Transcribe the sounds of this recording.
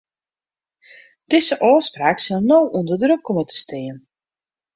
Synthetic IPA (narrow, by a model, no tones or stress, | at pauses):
d̥ɪzəʔɔːspraːksɪlˠnowʔundərdrøkʰːɔmətə̥stɪən